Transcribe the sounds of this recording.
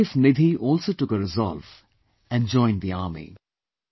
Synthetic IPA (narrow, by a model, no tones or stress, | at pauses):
ɪfnɪd̪ʱiʔɔːlsoʈʊkəɾɪzɔ̰lv | ɛ̃nd͡ʒɔ̃ɪ̃nd̪iaːmḭ